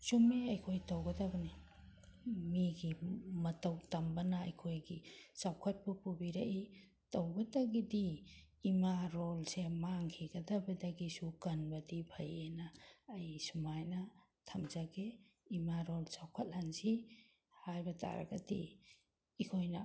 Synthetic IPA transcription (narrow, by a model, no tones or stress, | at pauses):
sumiɐjkʰojtɐwɡɐdabɐni | miɡimɐtɐwtɐmbɐnɐːjkʰojɡisawkʰɐt̚pupubiɾɐʔi | tɐwɡɐdɐɡidiː | maɾolsemaŋkʰiɡɐdɐbɐdɐɡisukɐnbɐdipʰɐjenɐːjsumajnɐ | tʰɐmzaɡeimaɾolsawkʰɐt̚hanzi | hajbɐtʰa̰ɾɐ̰ɡɐdḭ | ikʰojnɐ